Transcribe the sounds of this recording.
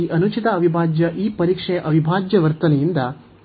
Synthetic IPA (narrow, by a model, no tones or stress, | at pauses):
iːʔɐnut͡ʃit̪ɐɐʋibʱaːd͡ʒjɐʔiːpɐɾiːkʂejʔɐʋibʱaːd͡ʒjɐʋɐɾt̪ɐnɐjind̪ɐ